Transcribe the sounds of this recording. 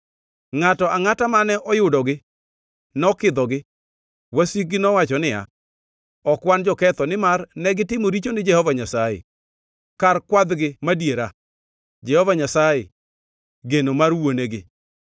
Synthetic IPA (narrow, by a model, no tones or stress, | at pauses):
ŋatɔaŋatamanɛʔɔjʊdɔɡɪ | nɔkɪd̪ɔɡɪ | wasik̚ɡɪnɔwat͡ʃɔnɪa̰ | ɔkwand͡ʒɔkɛt̪ɔnɪmarnɛɡɪtɪmoɾit͡ʃonɪd͡ʒɛhɔvaɲasajɛ̰ | karkwad̪ɡɪmadjeɾa | d͡ʒɛhɔvaɲasajɛ | ɡenomarwoneɡɪ